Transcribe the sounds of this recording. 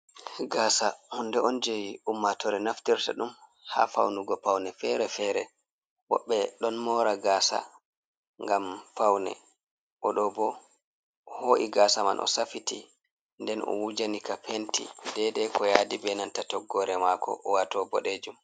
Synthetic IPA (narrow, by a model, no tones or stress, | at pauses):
ɡaːsahundɛɔnd͡ʒejiumːatɔɾɛnaftiɾtaɗumha̰fa̰wnuɡɔpawnɛfɛɾɛfɛɾɛ | bɔ̰ɓːɛɗɔnmɔːɾaɡasa̰ | ŋɡamfawnɛ̰ | ʔɔɗɔbɔ | hoːʔiɡaːsama̰nʔɔ̰safiti | ndɛnʔɔ̰wud͡ʒanikapʰentḭdɛdɛkʰɔjadibɛnantatɔɡːɔɾɛmakɔ̰ʔɔwatɔbɔɗed͡ʒum